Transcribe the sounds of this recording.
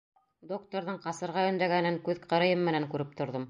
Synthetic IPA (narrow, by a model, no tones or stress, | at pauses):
d̪ok̚t̪oɾðɤɴqɑsɤ̆ɾʁɑɵ̆nd̪æɡænɘŋkʉðqʰɤ̆ɾɤ̆jɤmmːɘ̆næŋkʉɾɘp̚t̪ŏɾðɤm